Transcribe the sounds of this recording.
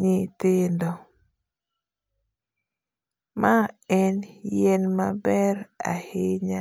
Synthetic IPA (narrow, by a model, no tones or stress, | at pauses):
ɲɪtɪndɔ | maɛnjɛnmabɛɾa̰hɪɲa